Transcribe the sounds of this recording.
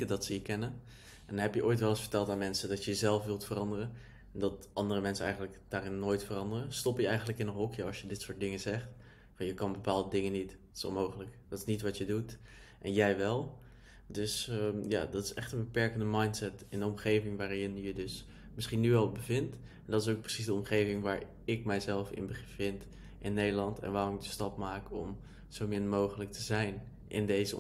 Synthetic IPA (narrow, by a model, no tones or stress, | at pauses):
ədɑtsəjəkɛnən | ʔɛndnɦɛpjəʔojtʋɛlˠəsfə̥ɹtɛlˠtaːnmɛnsədɑtəjəzɛlˠfʋɪlˠtfərɑndərən | ndɑtʔɑndərəmɛnsənɛjχənləkd̥aːrɪnːoːjtfərɑndərəstɔpjəɛjχəndləkɪnənɦɔkjəɑsjədɪtsʊːɹt̚dɪŋəzɛχt | fɑnjəkɑnbəpaːlˠdədɪŋənit | so̰mowχələkd̥ɑtɪ̥snitʋɑtjədut | ʔɛnjɛjʋɛlˠ | dɵsja̰ːdɑtɪ̥sɛ̰χtə̃nbəpɛɹkəndəmɑjntsɛtɪndəɔmχejvɪŋʋaːrjɪnjədɵs | mɪsχinːyɛlˠbəvɪnt | ɛndɑtɪs̬owk̚prəsisdəɔmχejvɪŋʋaːɹ | ɪk̚mɛjzɛlˠfɪ̰nbəvɪnt | ʔɪnːejdəlɑntʰɛ̰nʋaːrɔɪkdəstɑp̚maːkɔm | z̥owmɪnmowχələk̚tʰəzɛjn | ʔɪ̰ndejzə